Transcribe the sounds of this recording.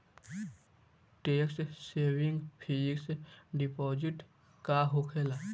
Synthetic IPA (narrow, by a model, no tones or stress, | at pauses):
ʈeːksseːwɪŋɡpʰiːksɖipɔːd͡ʒɪʈ | kaɦokʰela